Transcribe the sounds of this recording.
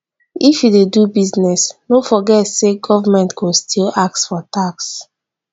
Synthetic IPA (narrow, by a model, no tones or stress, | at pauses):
ifjudedubiznɛsnofɔɡɛtseɡɔvamɛ̃ntɡostʰilak̚tfɔtaks